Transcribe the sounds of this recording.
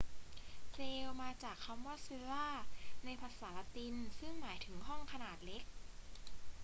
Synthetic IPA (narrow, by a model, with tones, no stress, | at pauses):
seː˧wmaː˧t͡ɕaː˨˩kʰːa˧mwaː˦˥˩sɯ˧laː˥˩na˧jpʰa˧saː˩˦la˧t̪i˧nsɯ˥˩ŋmaː˩˦jt̪ʰɯ˩˦ŋɦɔ˥˩ŋkʰa˧naː˨˩t̪̚le˦˥k̚